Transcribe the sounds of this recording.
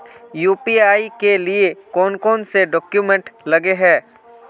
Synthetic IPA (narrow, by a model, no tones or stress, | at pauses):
juːpiaːikeliekɔːnkɔːnseɖɔːkjumɛ̃ɳʈlɐɡeɦɛː